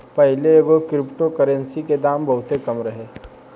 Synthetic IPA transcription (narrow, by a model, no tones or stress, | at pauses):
pɐɦɪleeːɡokɾɪpʈokəɾə̃nsiked̪aːmbɐɦʊt̪ɦekɐmɾɐɦeː